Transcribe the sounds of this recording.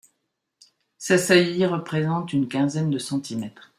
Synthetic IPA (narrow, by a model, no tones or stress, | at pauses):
sasajiʁəpχezɑ̃t̪ynkʲɛ̃zɛnd̪əsɑ̃t̪ʰimɛt̪χ